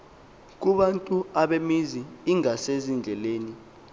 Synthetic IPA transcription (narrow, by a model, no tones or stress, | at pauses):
k̬uɓantʼuaɓemiziːŋasezind͡ɮʱɛleːni